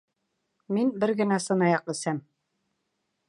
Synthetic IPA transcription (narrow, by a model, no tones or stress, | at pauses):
minbɘɾɡɘ̆næsɤ̆nɑjɑqɘ̆sæm